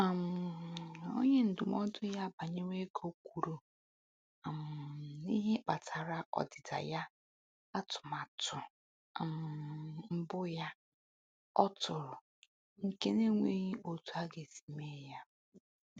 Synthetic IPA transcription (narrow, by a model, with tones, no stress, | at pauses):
a˨m̩˨ | o̰˦ɲe˦n̩˨dʊ˨mɔ˦dʊ˦ja˦ba˨ɲe˦ŋʷe˦ko˦kʷu˨ɾo˨ | m̩˨ni˦ɦe˦k͡pa˨tʰa˨ɾa˨ʔɔ̰˨dɪ˨ta̰˨ja˦ | a˦tʊ̥˨ma˨tʊ˨ | m˨m̩˦bʊ˦ja˦ | ɔ˦tʊ˨ɾʊ˨ | ŋ̩˨ke˦ne˦ŋʷe˦ɲi˦ʔo˨tu˦a˦ɡe˨zi̥˨me˦ja˦